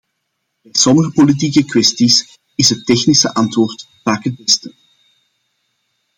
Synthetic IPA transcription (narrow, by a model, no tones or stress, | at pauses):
b̥ɛjsɔməɣəpolit̬ikəkwɛstis | ɪsɦətːɛxnisəʔɑntʋoːrt | v̥aːkɦət̚bɛstə